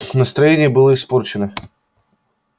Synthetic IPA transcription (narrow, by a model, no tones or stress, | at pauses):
nəst̪ɾɐjenʲɪjəbɨlˠəɪsport͡ɕɪnə